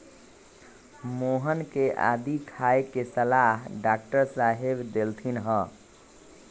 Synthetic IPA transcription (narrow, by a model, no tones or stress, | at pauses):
moɦənkeʔa̰d̪ikʰaekesəlaɦɖak̚ʈəɾsaɦebd̪elt̪ʰinɦə